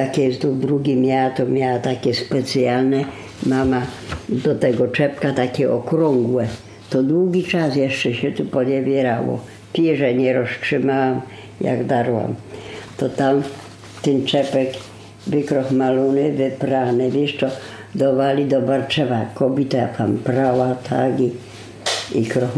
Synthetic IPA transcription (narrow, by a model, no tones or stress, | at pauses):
t̪akʲɛst̪ud̪ɾuɡʲimʲjaat̪ɔmʲjawat̪akʲɛspɛt̪sjalnɛ | mamad̪ɔt̪ɛɡɔt͡ʂɛpkat̪akʲɛʔɔkɾɔŋɡwɛ | t̪ɔd̪wuɡʲit͡ʂasjɛʂt͡ʂɛɕɛt̪upɔɲɛvʲjɛɾawɔ̰ | pʲiʐɛɲɛɾɔstʂɪmawam | ja̰ɡd̪aɾwa̰mt̪ɔt̪am | t̪ɛnt͡ʂɛpɛk | vɪkɾɔxmalunɪvɪpɾanɛvʲjiʂt̪ɔ | d̪ɔvalʲid̪ɔbaɾt͡ʃɛvakɔbʲit̪aapampɾawat̪ʰaɡi | ikɾɔx